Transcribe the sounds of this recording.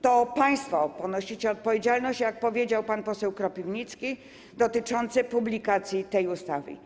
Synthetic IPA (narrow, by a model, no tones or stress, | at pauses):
t̪ɔpãj̃st̪fɔpɔnɔɕit͡ɕɛɔt̪̚pɔvʲjed͡ʑalnɔɕt͡ɕjak̚pɔvʲjed͡ʑawpanpɔsɛwkɾɔpʲivɲit̪skʲi | d̪ɔt̪ɘt͡ʂɔnt̪sɛpublʲikat̪sʲjit̪ɛjust̪avɘ̰